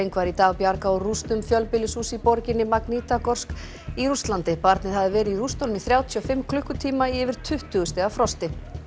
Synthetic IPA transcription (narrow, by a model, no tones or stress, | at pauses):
ejŋkvaːɾɪit̪aːɣpjaɾkaɔrust̪ʏmfjœlpɪlɪsuːsipɔɾcɪnːɪmakniːt̪akɔr̥sk | iɾust̪lant̪ɪpaɾt̪nɪðhaðɪvɛːɾɪirust̪onʏmiθɾjaːwt̪ʰyafɪmkʰlʏhkʏt̪ʰiːmaiɛvɪɾ̥t̪ʰʏht̪ʏɣʏst̪ɛɣafɾɔst̪ɪ